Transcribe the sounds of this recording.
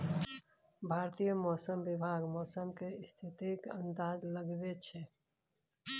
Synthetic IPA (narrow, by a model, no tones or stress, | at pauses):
bʱaːɾt̪ijəmɔːsəmʋɪbʱaːɡmɔːsəmkeɪst̪ʰɪt̪ikə̰̃nd̪aːzləɡʋet͡ʃʰɛ